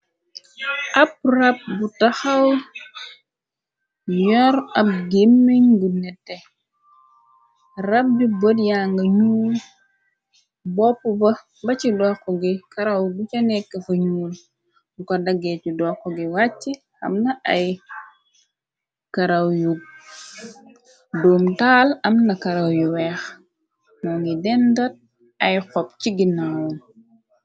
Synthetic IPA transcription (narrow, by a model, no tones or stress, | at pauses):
ʔɐp̚rɐp̚butɐxɐw | jɔɾɐp̚ɡemːiɲɡunɛtːɛ | rɐp̚dibodjaːŋɡɐɲuːl | bɔpːubɐ | bɐcidɔkɔɡikɐɾɐwɡut͡ʃɐnɛkːɐfɐɲuːl | bukɐdɐɡɛt͡ʃidɔqːɔɡiwat͡ʃːi | ɐ̰mnɐʔɐj | kɐɾɐwjuɡ̚ | dɔːmtaːlɐmnɐkɐɾɐwjuwɛːx | mɔŋɡidɛndɐt̚ | ɐjxɔp̚t͡ʃiɡinawun